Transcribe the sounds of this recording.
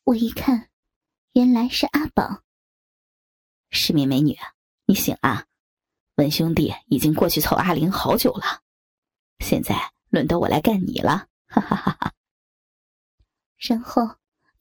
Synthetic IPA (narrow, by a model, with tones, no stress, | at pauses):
wɔ˨˩i˧˥kʰa˥˩n | jɛ˧˥nla˧˥ɪʂɻ̩˥˩ʔa˥pɑ̰˨˩˦ | ʂɻ̩˥˧mjɛ˧˩nme˧˥ɪny̰˨˩˦ | ni˧˥ɕḭ˨˩ŋa̰˥˩ | wə˧˥nɕjʊ˥ŋt̪ḭ˥˩i˨˩t͡ɕi˥ŋkwɔ˥˧t͡ɕʰy˥˩t͡sʰo˧˩ʊʔa˥˩li˧˥nxɑ˧˥ʊt͡ɕjo˨˩ʊlə˦ | ɕjɛ̰˥˧nt͡sa˥˩ɪ | lwə˥˩nt̪ɑ˥˩ʊwɔ̰˨˩ʔa̰˧˥ɪka˥˩nnḭ˨˩lʔə̰˦˥˧ | ʂə˥ŋxo˥˩ʊ